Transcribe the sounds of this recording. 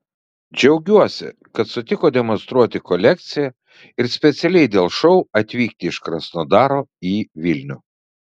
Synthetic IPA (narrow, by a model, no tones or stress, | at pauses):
d͡ʒʲɛʊɡʲuɔsʲɪ̰ | kɐt̪sʊt̪ʲɪkoːd̪ʲɛmɔnst̪ɾuɔt̪ʲɪkɔlʲɛk̚t̪sʲɪjɛ | ɪɾsʲpʲɛt̪sʲɛlʲɛɪd̪ʲeːlˠʃɔʊɐt̪ʲʋʲiːkt̪ʲɪɪʃkɾɐsnoːd̪ɑːɾoːiːʋʲɪlʲnʲʊː